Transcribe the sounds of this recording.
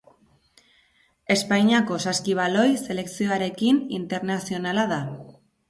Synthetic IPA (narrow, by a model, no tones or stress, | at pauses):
e̞spajɲako̞saskiβ̞alo̞jse̞le̞ksio̞aɾe̞kinint̪e̞ɾnasio̞nalaða